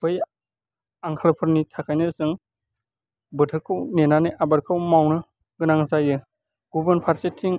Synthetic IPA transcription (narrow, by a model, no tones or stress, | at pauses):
b̥ɯj | aŋkʰalpʰɯɾnitʰakʰajnɯsɯŋ | bɯtʰɯɾkʰɯwnenanɯʔabaɾkʰɯwmawnɯ | ɡɯnaŋzajɯ | ɡ̥ubənpʰaɾsetʰːiŋ